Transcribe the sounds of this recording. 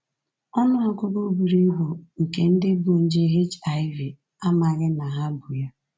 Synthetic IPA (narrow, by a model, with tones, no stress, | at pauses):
ɔ˦nʊ˦a˦kʊ˦ɡo˦bu˨ɾi˦ɦu˨ŋ̩˨ke˨n̩˦dɪ˦bʊ˨n̩˦d͡ʒe˦ɦe˦t͡ʃa˨ɪ˦vi˨ | a˦ma˨ɣɪ˦na˨ɦa˦bʊ˨ja˦